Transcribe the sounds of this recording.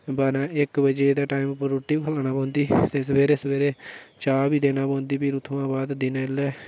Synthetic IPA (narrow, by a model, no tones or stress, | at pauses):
baːɾãːɪkbəd͡ʒeːd̪aːʈaːiːmpːəɾːoːʈːiːbikʰəlaːnaːpɔ̃ːnd̪iːt̪eːsəʋeːɾeːsəʋeːɾeːt͡ʃaːbiːd̪eːnaːpõːnd̪iːpiːɾʊt̪ʰʋãːbaːd̪d̪ɪnːɪlːɛː